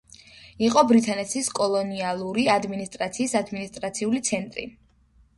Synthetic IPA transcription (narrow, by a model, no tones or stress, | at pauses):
iqʼɔbɾit̪ʰʼanɛt̪sʰiskʼɔlˠɔnialˠuɾiad̪minist̪ʼɾat̪sʰiːsad̪minist̪ʼɾat̪sʰiulit̪sʰɛnt̪ʼɾḭ